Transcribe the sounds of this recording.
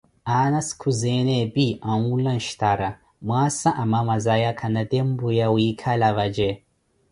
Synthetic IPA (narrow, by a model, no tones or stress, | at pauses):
anaskʰuzenebiʔanulanʃtaɾa | mwasaʔamamazajakʰanadɛmbujawikʰalaβad͡ʒe